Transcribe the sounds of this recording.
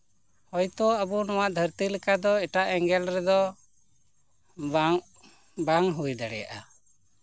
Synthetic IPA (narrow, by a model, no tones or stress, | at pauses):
hɔjt̪ɔabunɔwaʔd̪ʱəɾt̪iləkad̪ɔɛʈaʔɛŋɡɛlɾɛd̪ɔ | baŋɦujd̪aɽɛja̰ʔa